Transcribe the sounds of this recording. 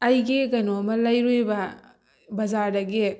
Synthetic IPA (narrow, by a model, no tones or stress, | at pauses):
ɐjɡiɡɐnomɐlɐjɾujbɐ | bɐd͡ʒaɾdɐɡi